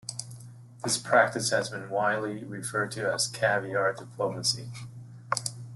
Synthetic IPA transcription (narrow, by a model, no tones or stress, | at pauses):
ðɪspʰɹ̥æk̚tɨshɨzbɨ̃nwaɪdˡliɹɨfɜ˞d̚tʰɨəz̥kʰæviɑɹdɨpʰl̥oʊməsḭ